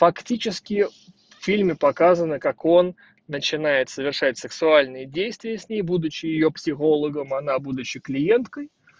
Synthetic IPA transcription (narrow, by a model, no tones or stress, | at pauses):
fɐktʲit͡ɕɪskʲɪ | ffʲilʲmʲɪpɐkazənəkako̞nː | ət͡ɕɪnajɪt̪səvʲɪrʂat̚ʲsɨksʊalʲnɨjədʲejst̪vʲɪjəsʲnʲejbud̪ʊt͡ɕːɪjɪjo̞psʲɪxo̞lˠəɡəmɐnabud̪ʊt͡ɕːɪklʲɪjent̪kəj